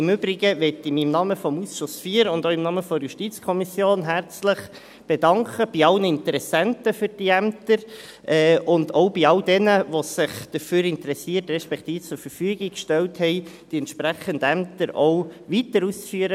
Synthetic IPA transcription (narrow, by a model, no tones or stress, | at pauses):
ɪmʏbɾɪɡəʋɛtɪmiɪmnɑməfɔmusʃʊsfiːəɾʊndoʊɪmnɑməfɔɾjuʃtit͡skʰɔmisjoːnɦæɾt͡slɪχ | b̥edɑŋkʰəb̥iɑlnəɪntəɾɛsæntəfyɾd̥iæmt̪əɾ | ɛːʔʊndɔʊbiɑldɛnəʋosɪχd̥əɾføːɾɪntɾɛsiːətɾɛʃpɛktiːft͡sʊɾfəɾfyəɡɪkʃtɛlthɛɪd̥iɛntʃpɾæχəndəæmtəɾɔʊʋitəɾuːst͡sfyəɾə